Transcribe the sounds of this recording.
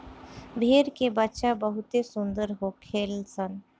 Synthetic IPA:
bʱeːɾkebətːʃabəɦʊt̪esʊ̃nd̪əɾɦokʰeːlsən

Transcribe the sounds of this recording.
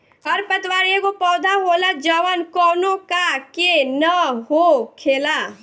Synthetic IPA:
ɔɾpət̪waːɾjẽkopɔːd̪ʱaɦoːlad͡ʒəʋənkɔːnõkakenəɦokʰeːla

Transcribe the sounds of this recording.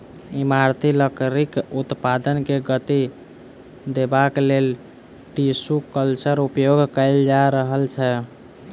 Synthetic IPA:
imaɾt̪iləkɾikut̪pad̪ənkeɡət̪i | d̪ebaklel | ʈisukəlt͡ʃəɾupjoɡʱkəɪld͡ʒaɾəɦəlt͡ʃʰɛ

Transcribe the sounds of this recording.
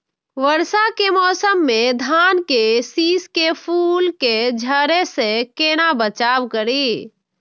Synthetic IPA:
ʋəɾsakemɔsəmːed̪ʱankesiskepʰulked͡ʒʱəɾesẽkenabət͡ʃabkəɾi

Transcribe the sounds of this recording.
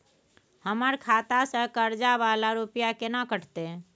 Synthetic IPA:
həməɾkʰat̪asə̃kəɾd͡ʒabalaɾupijakenakəʈʰt̪e

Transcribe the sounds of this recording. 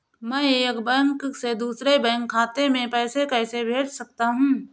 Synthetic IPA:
mɛ̃eːkbɛ̃ŋksed̪uːsɾebɛ̃ŋkʰːaːt̪emẽpɛːsekɛːsebʱeːʈsɐk̚t̪aɦũː

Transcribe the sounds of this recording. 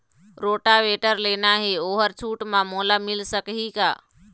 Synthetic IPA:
ɾoʈaʋeʈəɾlenaɦeoːɦəɾt͡ʃʰuʈmãmolamilsəkɦika̰

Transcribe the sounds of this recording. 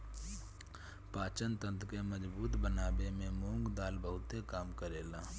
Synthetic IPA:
paːt͡ʃənt̪ə̃nt̪ʰkeməd͡ʒbuːt̪bənaːbemẽmõːŋɡd̪aːlbəɦʊt̪ekaːmkəɾeːlaː

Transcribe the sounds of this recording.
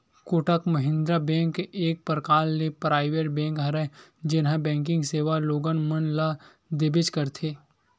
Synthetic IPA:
kʊʈəkmɐɦɪ̃nd̪ɾabɛ̃ːŋkeːk̚pəɾkaːlːepɾaːɪʋeɾbɛ̃ːŋkɦɐɾəd͡ʒɪnɦãbɛ̃ːŋk̬ɪ̃ŋɡseːʋaloːɡənmənla | d̪ebɪt͡ʃkəɾt̪ʰeː

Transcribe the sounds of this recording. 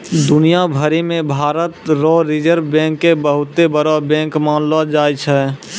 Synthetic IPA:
d̪ʊnijabʱəɾimẽbʱaːɾət̪ɾɔɾɪd͡ʒəɾbɛ̃ːŋkːebəɦʊt̪ːebəɾabɛ̃ːŋkmaːnlad͡ʒaːjt͡ʃʰɛː

